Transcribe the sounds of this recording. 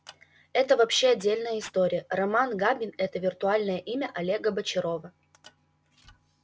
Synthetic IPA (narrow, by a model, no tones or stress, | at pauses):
ɛt̪əvɐpɕːeɐdʲːelʲnəjəɪst̪oɾʲɪjərɐmanɡabʲɪnɛt̪əvʲɪrt̪ʊalʲnəjəʔimʲəʔɐlʲe̞ɡəbət͡ɕɪɾo̞və